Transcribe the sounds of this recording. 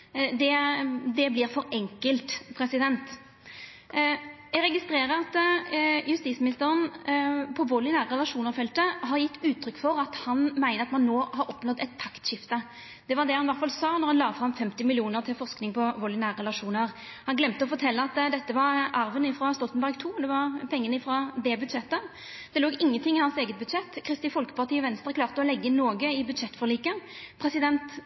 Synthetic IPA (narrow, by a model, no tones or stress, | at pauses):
d̪ɛd̪ɛblɪɾfɔɾɛŋkəlt̪pʰɾɛsɪd̪ɛnt̪ | jɛɡɾɛɡɪst̪ɾeːɾəɾɑt̪jʉst̪iːsmɪnɪst̪əɾənpʰɔʋɔlɪnæːʁəɾɛlɑʂuːnəɾfɛlt̪əɦɑɾjɪt̪ːʉːt̪ʰːɾʏkːfɔɾɑt̪hɑnmæɪnəʁɑt̪mɑnːoːhɑɾɔpnɔd̪ɛt̪ʰːɑkt̪ɕɪft̪ə | d̪̥ɛʋɑʁd̪ɛhɑnʋæʁt̪fɑlsɑːnɔʁhɑnlɑːfɾɑmfɛmt̪ɪmɪlɪuːnəʁt̪ʰɪlfɔʁsknɪŋpʰɔʋɔlɪnæːʁʁɛlɑʂuːnəʁ | hɑnɡlɛmt̪əɔfɔt̪ʰɛlːəɑt̪d̪ɛt̪ːəʋɑɾʔɑɾʋənɪfʁɑst̪ɔlt̪nbæʁɡt̪ʰuːd̪ɛʋɑʁpʰɛŋːənəɪfʁɑd̪ɛbʉd̪ʃɛt̪ːə | d̪̥ɛloːɡɪŋːənt̪ʰɪŋːɪhɑnseːɡət̪̚bʉd̪ʃɛt̪ːkʰɾɪst̪ɪfɔlkə̥pɑʁt̪iːʋɛnst̪ʁəkʰlɑːʁt̪əɔlɛɡːəɪnːoːɡəɪbʉd̪ʂɛt̪ːfɔʁliːkə | pʰɾɛsɪd̪ɛnt̪